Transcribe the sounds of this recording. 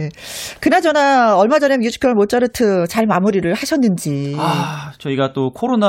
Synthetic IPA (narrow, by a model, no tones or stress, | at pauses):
ekɯnad͡ʑʌnaʌɭmad͡ʑʌnemjud͡ʑʰu̥kʰjʌmot͡ɕ͈aɾɯtʰɯt͡ɕaɭmamuɾiɾɯɭhaɕʰʌnːɯnd͡ʑiat͡ɕʌiɡat͈okʰoɾon